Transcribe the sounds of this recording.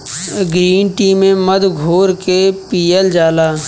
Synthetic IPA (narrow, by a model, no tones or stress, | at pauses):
ɡɾiːnʈiːmẽməd̪ɡʱoːɾkepiːəld͡ʒaːlaː